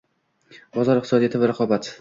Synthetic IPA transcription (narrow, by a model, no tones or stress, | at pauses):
bɒzɒɾɪq̚t̪ɪsɒd̪ijat̪ɪvaɾaqʰɒbat̪